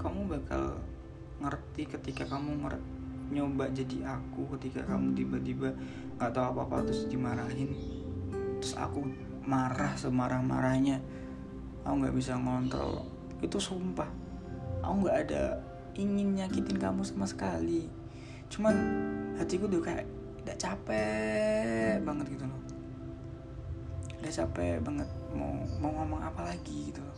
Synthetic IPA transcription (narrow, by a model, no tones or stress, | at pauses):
kamubakʰa̰l | ŋərt̪ikət̪ikakamuŋə̰rɲobaʔd͡ʒadiʔakukət̪ika̰ka̰mut̪ibat̪iba | ŋɡaʔt̪aapapa̰t̪ʊsdimaɾaɦɪn | t̪ʊsa̰ku | maɾahsəmaɾahma̰ɾahɲa | auŋɡa̰ʔbisaŋɔnt̪ɾɔ̰l | it̪usumpah | auŋɡaʔːda̰ | iŋɪnɲakit̪ɪnkamusamasə̥kali | t͡ʃumanhat̪ikuduka | daʔt͡ʃapɛ | baŋət̪̚ɡit̪ulɔh | daʔt͡ʃapɛbaŋət̪̚ma̰mauŋamaŋapalaɡiɡit̪ul